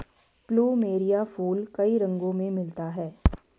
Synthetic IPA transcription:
pluːmeːɾijafuːlkɐiɾɐ̃ŋɡõmẽmɪlt̪aɦɛː

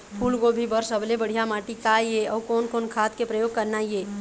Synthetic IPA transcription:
pʰuːlɡobʱibəɾsəblebəɽ̤ijamaːʈikajeɔːkɔːnkoːnkʰaːt̪kepɾəjoːɡ̚kəɾnaieː

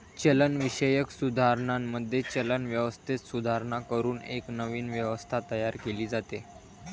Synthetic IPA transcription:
t͡ɕelənʋiɕəjəksud̪ʱaɾɳamːəd̪ʱːjet͡ɕelənʋjəʋəst̪ʰet̪sud̪ʱaɾɳakəɾuːnḛknəʋiːnʋjəʋəst̪ʰat̪əjaɾkeliːd͡zat̪e

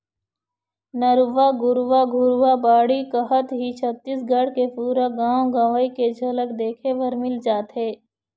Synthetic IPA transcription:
nəɾʊʋaɡʊɾʋaɡʱʊɾʋabaːɽikəɦət̪ɦit͡ʃʰət̪ːisɡʱəɽkepuːɾaɡãːwõɡãːʋaiked͡ʒʱɐləkd̪eːkʰeʋəɾmɪld͡ʒaːt̪ɦɛː

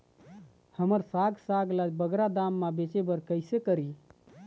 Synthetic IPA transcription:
həməɾsaɡsaɡlabəɡɾad̪amːabet͡ʃebəɾkəɪsekəɾi

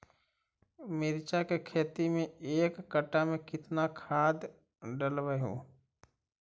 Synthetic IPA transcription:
mɪɾt͡ʃakekʰeːt̪imẽeːkːəʈːamẽkɪt̪nakʰaːd̪ | ɖəlʋəɦṵ̃ː

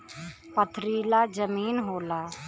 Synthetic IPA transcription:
pət̪ʰɾiːlaːd͡ʒəmiːnɦoːlaː

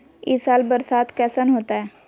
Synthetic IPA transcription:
ɪsaːlbəɾsaːt̪kɛːsənɦoːt̪aɦɛː

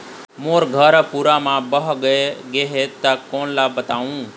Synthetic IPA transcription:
moːɾɡʱəɾpuːɾamãːbəɦɡəeɡeɦet̪akoːnlabət̪aːʋũː

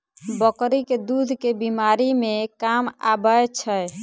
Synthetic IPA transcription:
bəkɾiked̪ud̪ʱkebimaɾimẽkama̰bəet͡ʃʰəj

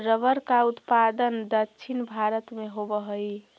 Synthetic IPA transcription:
ɾəʋəɾkaut̪pad̪ənd̪əkːʃʰinbʱaɾət̪meɦobəɦəi

